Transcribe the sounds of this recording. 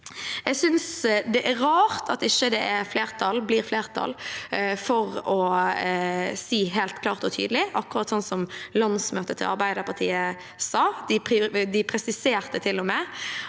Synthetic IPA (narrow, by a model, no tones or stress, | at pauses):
ɛɡsʏnsd̪ɛʔæɾɾɑːɾt̪ʰɑt̪ɪçːəd̪ɛʔæɾfleːɾt̪ʰɑlbliːɾfleːɾt̪ʰɑ̰lfɔɾɔ | siːɦeːlt̪kʰlɑːʁt̪ɔt̪ʰy̰ːd̪əlɪʔɑkːʊʁɑt̪sɔnsɔmlɑnsmøːt̪ət̪ʰɪ̰lʔɑ̰ɾbæɪd̪əpʰɑʁt̪ʰḭːə | sɑːd̪̥ɪd̪ɪpʰɾɛsɪseːɾt̪ət̪ʰɪlːɔmɛ